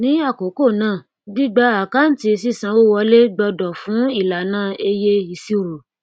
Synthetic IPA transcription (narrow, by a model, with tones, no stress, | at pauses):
nĩ˦a˦˨ko˨˦ko˦˨nãː˦˨ | di˦ɡ͡ba˧˦a˨ka˦n̩˦ti˧si˦˨sã˧wo˦wɔ˧le˦ɡ͡bɔ˧dɔ˨fũ˨˦i˦˨la˨nãː˦˨e˧je˦i˧si˦˨ɾo˨